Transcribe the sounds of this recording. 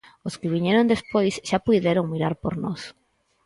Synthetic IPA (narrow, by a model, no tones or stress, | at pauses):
oskɪβ̞iɲeɾond̪espojsʃapujðeɾoŋmiɾaɾpoɾnɔs